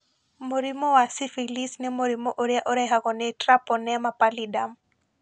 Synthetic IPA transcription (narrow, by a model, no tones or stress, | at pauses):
moɾimɔwasifilisnimoɾimɔʔoɾjaʔoɾɛɦaɣɔnɛtrapɔnɛmapalidam